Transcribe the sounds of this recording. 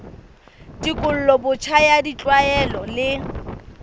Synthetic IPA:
dikʼʊl̩lɔbʊt͡ʃʰajadit͡ɬʼwaɛlɔlɪ

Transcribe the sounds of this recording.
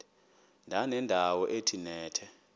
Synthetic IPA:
ndʱanɛndʱawɔʔetʰinɛːtʰɛ

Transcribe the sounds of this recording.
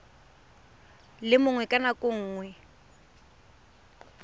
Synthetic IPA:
lɪmʊŋwɛkʼanakʼʊŋ̩ːŋwɛ

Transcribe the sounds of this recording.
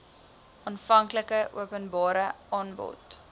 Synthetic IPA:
ɑːnfɐŋkləkəʔuəpənbɑːɾəɑːnbɔ̰t

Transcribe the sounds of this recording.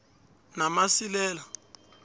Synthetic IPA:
namasilɛːla

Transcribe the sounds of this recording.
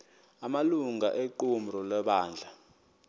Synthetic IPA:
amaluŋaʔeǃum̩rɔlɛɓaːnd͡ɮʱa

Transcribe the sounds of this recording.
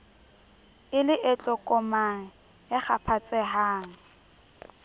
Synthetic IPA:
ɪlɪʔɛt͡ɬʼɔkʼɔmaŋ̩ | ɪχapʰat͡sʼɛɦaːŋ̩

